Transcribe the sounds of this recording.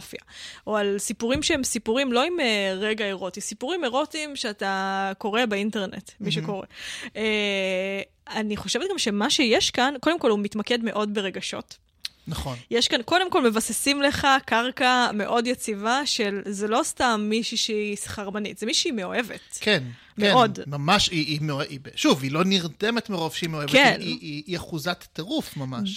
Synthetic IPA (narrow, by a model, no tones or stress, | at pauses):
fjao̞alsipuʁimʃeemsipuʁimlo̞imeʁeɡae̞ʁo̞tisipuʁimeʁo̞timʃeatako̞ʁebeinte̞ʁnḛtmiʃeko̞ʁḛ | aniχo̞ʃevt̪̚ɡamʃe̞maʃe̞jeʃkanko̞demko̞lhumitmake̞dme̞ʔo̞dbe̞ʁe̞ɡaʃo̞̰t | naχnjeʃkanko̞de̞mko̞lmevasesimleχakaʁkame̞ʔo̞djet͡sivaʃe̞lzelo̞stamːiʃuʃeisχaʁmanḭt̪z̥emiʃeimeo̞e̞vḛtkʰen | mkeo̞dmamaʃiimeoeʔibeʃuvilo̞niʁdemet̪meʁo̞vʃeimeoekveiniiːaχuzatːeʁufmamaʃ